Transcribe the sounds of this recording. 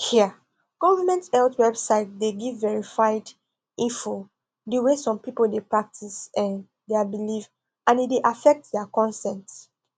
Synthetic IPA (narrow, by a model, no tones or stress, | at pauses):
hi | ɡ̥ɔvəmɛ̃ntɛltwɛbsaɪt̚deɡivːɛɹifaɪd | ĩnfo | dəwesɔ̃mpipoldepɹak̚tʰisɛ̃n | deabiliv | ʔãnideʔafɛk̚t̚dɛakɔ̃nsɛ̃nts